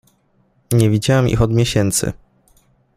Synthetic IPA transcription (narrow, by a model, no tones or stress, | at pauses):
ɲɛvʲid͡ʑawɛmḭxɔd̪mʲjeɕɛnt̪sɘ̰